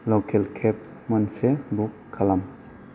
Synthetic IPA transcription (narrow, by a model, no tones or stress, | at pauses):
lɔkelkʰep̚ | mɔnsebukʰːalam